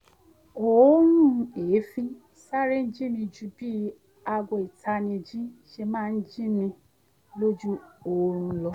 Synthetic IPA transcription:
o˨˦nũ˦˨˧eː˨˦fĩ˦ | sa˦ɾe˦n̩˦d͡ʒi˦mĩ˧d͡ʒu˧bi˦ | a˧ɡʷɔ˧i˨tʰa˧˦nĩ˧d͡ʒĩ˦ʃe˧mãː˦˧n̩˦d͡ʒi˦mĩ˧ | lo˦d͡ʒu˦o˨ɾ̃ũ˧˦lɔ˧

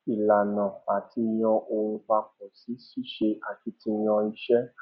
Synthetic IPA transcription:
i˨la˨nã˨a˨ti˧j̃ɔ̃˧ʔo˧ɾ̃ũ˧k͡pa˧k͡p̚ɔ̃˨si˨˦si˦˨ʃe˧a˨ki˨˧˦ti˧j̃ɔ̃˧i˧˦ʃɛ˦

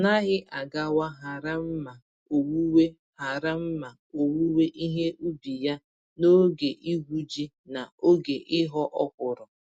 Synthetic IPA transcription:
na˦ɦɪ˦ʔa˨ɡa˦wa˦ɦa˨ɾa˦m̩˦ma˨ | o˨wu˦we˦ | ha˨ɾa˦m̩˦ma˨ | o˨wu˦we˦ʔi˦ɦe˦ʔu˦bi˨ja˦ | no˦ɡe˨ʔi˦ɦu˦d͡ʒi˦ | na˨o˦ɡe˨ʔɪ˦ɦɔ˦ʔɔ˦kʷʊ˨ɾɔ˨

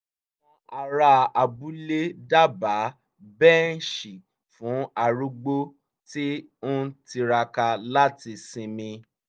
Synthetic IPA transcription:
wɔ̃˧a˧ɾa˧a˨bu˦le˦da˦ba˨˦ | bɛ˦n̩˦ʃi˨ | fũ˨˦a˨ɾu˦ɡ͡bo˦ | ti˦o˦ti˧ɾa˧ka˧la˦ti˧sĩ˧mĩ˧

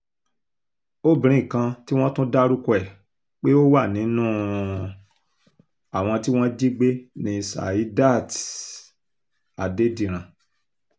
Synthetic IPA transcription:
o˦bĩ˨ɾ̃ĩ˨kã˧ti˦w̃ɔ̃˦tũ˦da˦ɾu˦ku˧ɛ˦˨ | k͡pe˦o˦wa˦˨nĩ˨˦nũ˦˨ | a˨w̃ɔ̃˧ti˦w̃ɔ̃˦d͡ʒi˦ɡ͡be˦nĩ˧˨sa̰˨ji˨˦da˦˨ti̥˨ | a˨de˨˦dĩ˦˨ɾ̃ã˨

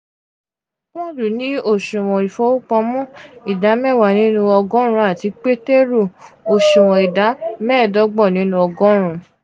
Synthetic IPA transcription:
wɔ̃˦du˨nĩ˦o˦˨ʃũ˨w̃ɔ̃˨i˨fɔ˦wu˦k͡pɔ̃˧mɔ̃˦i˨da˨˦mɛ̃˦˨wa˨nĩ˨˦nũ˧˦ɔ˧ɡɔ̃˦ɾ̃ũ˧˦a˦˨ti˨˧k͡pe˦te˦ɾu˦˨o˨ʃũ˨w̃ɔ̃˨i˨da˨˦mɛː˦˨dɔ˨˦ɡ͡bɔ˦˨nĩ˨˦nũ˧˦ɔ˧ɡɔ̃˦ɾ̃ũ˧

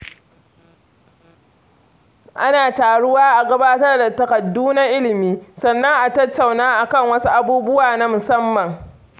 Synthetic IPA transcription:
ʔa˦naː˨taː˨ɽʊ˦waː˦ʔa˨ɡɐ˦baː˦tɐ˦rda˨tɐ˨kɐ˨dːuː˦na˦ʔɪ˦lɪ˨miː˦sɐ˨nːɐ˦ŋʔa˨tɐ˦tːa˨wnaː˦ʔa˨kɐ˦˨ŋwɐ˦su˦ʔa˦buː˦bʊ˦waː˨na˦mʊ˨sɐ˦mːɐ˨ŋ

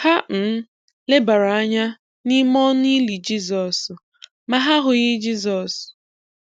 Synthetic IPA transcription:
ha˦m̩˨˦ | le˦ba˨ɾa˨a˦ɲa˦ | ni˦mɔ˦n˦i˦li˨d͡ʒi˦zɔ˨s | ma˨ɦa˦ɦʊ˨ɣɪ˦d͡ʒi˦zɔ˨s

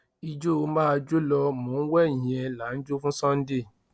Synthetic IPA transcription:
i˧d͡ʒo˦o˧mã˦˧d͡ʒo˦lɔ˧mõː˨˦n̩˦wɛ˦˨ĩ˨ɛ̃˧la˨˦n̩˦d͡ʒo˦fũ˦sɔ̃˦n̩˦de˦˨

